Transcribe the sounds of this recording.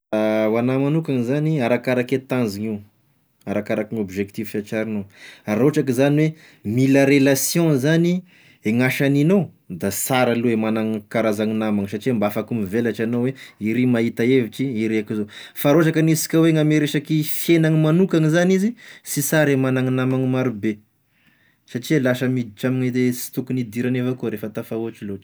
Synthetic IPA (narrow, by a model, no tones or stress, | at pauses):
wanamanukaŋizaniaɾakaɾaket̪ãnziŋi | aɾakaɾakiŋobiʒekt̪ivʃat͡ʃaɾinoaɾoʈ͡ʂakizaniwe | miləɾelasjõzani | eŋaʃanino | d̪asaɾaluemanaŋkaɾazaŋinamaŋsaʈ͡ʂiambafakumivelaʈ͡ʂanoweiɾimaɦit̪aeviʈ͡ʂiiɾeakizofaɾoʈ͡ʂakanisi̥kʲaweŋameɾeʃakifjenaŋimanukaŋizanizisisaɾemanaŋinamaŋimaɾube | saʈ͡ʂiwelaʃəmid̪iʈ͡ʂamineesi̥t̪ukunid̪iɾanefakuɾefət̪afauɦaʈ͡ʂiloʈ͡ʂi̥